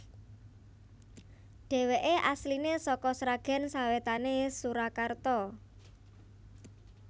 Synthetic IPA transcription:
ɖ̥ɛ̤weʔeʔaslinesɔkɔsɾaɡ̥a̤nsawet̪anesuɾakart̪ɔ

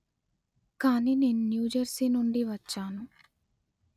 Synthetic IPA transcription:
kaːniːne̞ːnunjuːd͡ʒɐɾsiːnuɳɖiʋɐt͡ʃːaːnu

